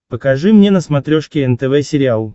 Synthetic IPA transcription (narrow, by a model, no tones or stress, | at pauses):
pəkɐʐɨmnʲenəsmɐt̪ɾʲoʂkʲɪɛnt̪ɛvɛsʲɪɾʲɪalˠ